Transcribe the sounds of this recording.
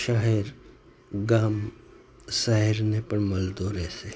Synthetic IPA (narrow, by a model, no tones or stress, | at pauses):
ʃaɦɛɾ | ɡaːm | saɦɛɾnepəɾmɐld̪oːɾɛːse